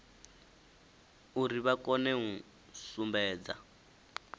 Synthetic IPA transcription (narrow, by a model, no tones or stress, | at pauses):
uɾiβakɔnɛŋu | sumbɛːd͡za̰